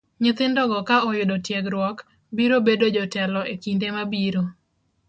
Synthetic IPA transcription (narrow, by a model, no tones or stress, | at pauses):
ɲɪt̪ɪndɔɡɔkaɔjʊdɔtjɛɡɾwɔk | biɾobedod͡ʒɔtɛlɔʔekindemabiɾo